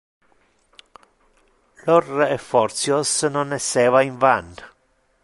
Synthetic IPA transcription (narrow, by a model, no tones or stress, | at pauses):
lɔrɛfːɔrt̪sjosnonɛsːɛːvaiɱvant̪